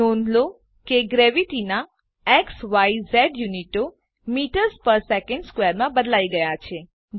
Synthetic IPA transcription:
onlo | keɡɾeʋiʈina | ɛksʋaizɛɖjuniʈo | miʈəɾzpəɾsekə̃ɳɖskʋeɾmãbəd̪laiɡəjat͡ʃʰe

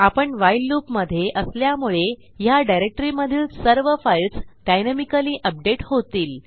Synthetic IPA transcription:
apəɳʋajlːupməd̪ʱːjeʔəsljamuɭe | jaɖajɾek̚ʈəɾiməd̪ʱiːlsəɾʋəfajlsɖajnəmikəliːʔəp̚ɖeʈhot̪iːl

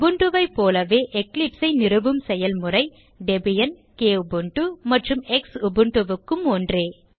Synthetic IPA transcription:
ʊbɯɳɖɯʋɐɪpːoːlɐʋeːʔɛklɪpsɐɪnɪrɯʋɯmsɛjɐlmɯrɐɪ | ɖɛbɪjɐn | keːʊbɯɳʈumɐʈrɯmɛksʊbɯɳɖɯʋɯkːɯmoːndreː

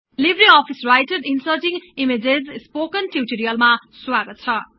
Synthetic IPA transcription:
libɾiɔpʰisrajʈeɖinsʌʈiŋimed͡zezspokʌnʈiʈoɾijʌlmaswaɡʌt̪̚t͡sʰʌ

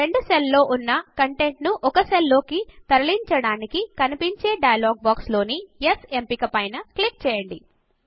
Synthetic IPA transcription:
ɾe̞ɳɖuselːo̞ːʔunːɐkɐɳʈe̞ɳʈnuʔɔkɐselːo̞ːkit̪ɐɾɐliɲt͡ʃɐɽaːnikikɐnipiɲt͡ʃe̞ːɖɐjɐlɔːɡ̚baːkslo̞ːnijese̞mpikɐpɐjnɐklik̚t͡ʃɛːjɐɳɖi

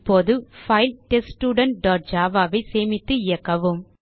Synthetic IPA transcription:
pːoːðɯfɐɪlʈɛsʈuːɽɐɳʈ̚ɖaːʈ̚d͡ʒaːʋaːʋɐɪseːmɪt̪ːɯɪjɐkːɐʋɯm

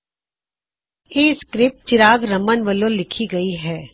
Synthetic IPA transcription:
jeːskɾɪp̚ʈ̚t͡ʃɪɾaːɡɾɐmənʋəlõlɪkʰiɡɐiɦɛː

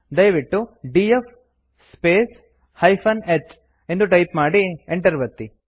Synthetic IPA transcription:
d̪ɐjʋiʈːuɖiːef | speːs | hɐjpʰɐnet͡ʃ | e̞nd̪uʈɐjpmaːɽieɳʈɐɾʋɐt̪ːi

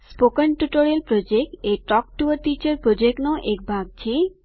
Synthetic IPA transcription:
spokənʈuʈoɾelpɾod͡ʑek̚ʈeʈɔk̚ʈuəɾt̪it͡ɕeɾpɾod͡ʑeknoʔek̚bʱaɡ̚t͡ɕʰe

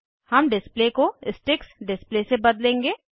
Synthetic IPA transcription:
hɐmɖɪsplekoɪsʈɪksɖɪsplesebɐd̪lẽːŋɡeː

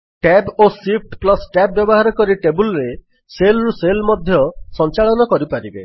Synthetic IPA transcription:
ʈɛbosip̚ʰʈplɔsʈɛbːjɔbɔɦaɾɔkɔɾiʈebulɾe | selɾuselmɔd̪ʱjɔsɔnt͡ʃaɭɔnɔkɔɾipaɾibḛ

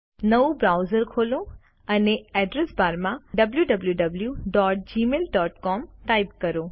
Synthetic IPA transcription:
nəubɾaːʊzəɾkʰolo | əneɛɖɾesbaːɾmãɖɐbljuɖɐbljuɖɐbljuɖɔːʈ̚d͡ʑimeːlɖɔːʈkɔːmʈaːɪb̚kɐɾo

